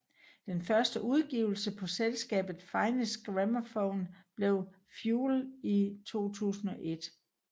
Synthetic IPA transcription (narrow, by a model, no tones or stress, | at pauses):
d̥enfɶɐsd̥əʔuð̞ˠɡ̥ḭʊl̩səpʰɒ̽selsɡ̥ɛ̰ːb̥ð̩ˠfɑ̈ɪnəsɡ̥ʁæmɐfɔʊnb̥le̝ʊ | fjuːlit͡sʰo̝̰ːt͡sʰṵːsn̩ɒ̽ʔe̝d̥